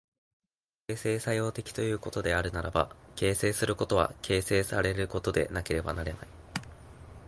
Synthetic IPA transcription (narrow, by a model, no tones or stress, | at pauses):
keːse̞ːsajo̞ːt̪e̞kʲi̥t̪o̞jɯ̟ːko̞t̪o̞d̪e̞aɾɯ̟naɾaba̰ke̞ːse̞ːsɨɾɯ̟ko̞t̪o̞βa̰kʰe̞ːse̞ːsaɾe̞ɾɯ̟ko̞t̪o̞d̪e̞̰nake̞ɾe̞ba̰naɾe̞na̰i